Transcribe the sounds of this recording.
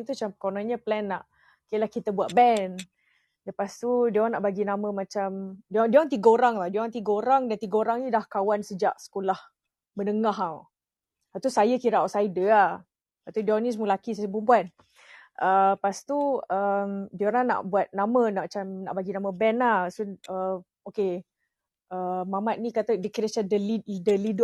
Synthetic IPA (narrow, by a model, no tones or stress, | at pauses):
t̪ut͡ʃampkonaɲəplɛnːaʔ | kiəlahkit̪əbuat̪̚bɛn | ləpast̪udiowaŋnaʔbaɡinamə̃mat͡ʃamdiaŋdiaŋt̪̬iɡəoɾaŋlahdiaŋt̪iɡəoɾaŋdant̪iɡəoɾaŋnidahkawansəd͡ʒa̰ʔsə̥kolah | mənəŋaɦa | at̪usajakiɾaʔɔsajdəa | pat̪udɔnis̬mulakis̬ajəp̬umpuan | ʔəpast̪uəmdioɾaŋna̰ʔbuat̪̚namənamat͡ʃamna̰ʔbaɡinamə̃bɛnahsunə | oke | ʔəmamat̪̚nikat̪adəkiɾəst͡ʃadəlidəlidʊ